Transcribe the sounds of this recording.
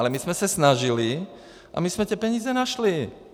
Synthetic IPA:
lɛmismɛsasnaʒili | ʔa̰mizmɛt̪ɪɛpɛɲiːzɛnaʃli

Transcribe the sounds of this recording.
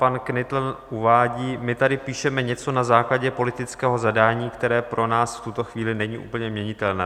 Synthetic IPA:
panknɪt̪l̩nʔuvaːɟiːmɪt̪adɪpiːʃɛmɛɲɛt͡so̞nazaːklaɟɛpo̞lɪt̪ɪt͡skɛːɦo̞zadaːɲiːkt̪ɛɾɛːpɾʔo̞naːsft̪ut̪o̞xviːlɪnɛɲḭːʔṵːpl̩ɲɛmɲɛɲɪt̪ɛlnɛː

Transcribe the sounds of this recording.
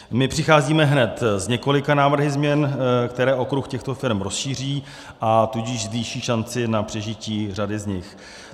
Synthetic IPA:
mɪpr̝̥ɪxaːziːmɛɦnɛt̪zɲɛko̞lɪkanaːvr̩ɦɪzmɲɛnkt̪ɛɾɛːʔo̞kɾuxcɛxt̪o̞fɪɾɛmɾo̞sʃiːr̝iː | ʔat̪uɟɪʒzviːʃiːʃant͡sɪnapr̥ɛʒɪciːr̝adɪzɲɪx

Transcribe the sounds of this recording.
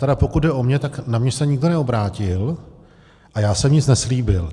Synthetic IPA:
t̪ɛɾapokut̪̚dɛʔo̞mɲɛt̪aknamɲɛsɛɲɪɡdonɛo̞bɾaːcɪl | ʔajaːsɛmɲɪt͡snɛsliːbɪl

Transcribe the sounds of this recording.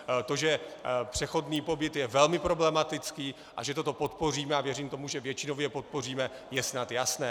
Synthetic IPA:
t̪o̞ʒɛpr̝̥ɛxo̞dniːpo̞bɪt̪jɛvɛlmɪpɾo̞blɛmat̪ɪt͡skiː | ʔa̰ʒɛt̪o̞t̪o̞po̞t̪po̞riːmɛavjɛriːmt̪omuʒɛvjɛt͡ʃɪnovjɛpot̪̚po̞riːmɛ | jɛsnat̪jasnɛː

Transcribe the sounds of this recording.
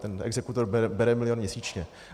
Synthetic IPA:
t̪ɛnɛ̰ɡzɛkut̪oɾbɛɛbɛɾɛmɪlɪjonmɲɛsiːt͡ʃɲɛ

